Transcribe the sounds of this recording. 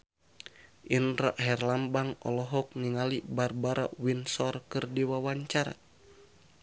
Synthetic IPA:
ʔinraʔɦɛrlambaŋɔ̰lɔɦɔk̚niŋalibarbaɾa̰winsɔrkɨrdiwawaɲt͡ʃaɾa̰

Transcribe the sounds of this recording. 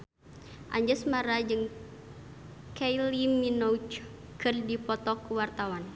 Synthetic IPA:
ʔa̰ɲd͡ʒəsmaɾad͡ʒɨŋ | kajliminɔut͡ʃ | kɨrdipɔt̪ɔkuwart̪awan

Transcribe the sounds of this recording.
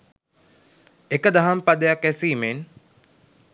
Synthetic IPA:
ekəd̪aɦampad̪əjakæsiːmen

